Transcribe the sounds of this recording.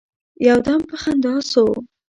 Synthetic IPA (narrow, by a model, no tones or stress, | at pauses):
jɑwd̪ɑmpəxand̪ɑso